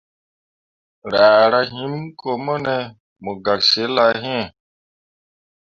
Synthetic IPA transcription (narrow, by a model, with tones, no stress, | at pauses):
ɾaː˨ɾa˦ɦĩ˦nko˨mɔ˦nɛ˨ | mu˨ɡa˨kse˨˦la˨˦ɦĩ˦ɛ˨